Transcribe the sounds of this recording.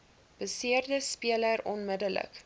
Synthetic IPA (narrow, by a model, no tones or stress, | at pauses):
b̥əsiərdəspiələɾɔnmədələ̰k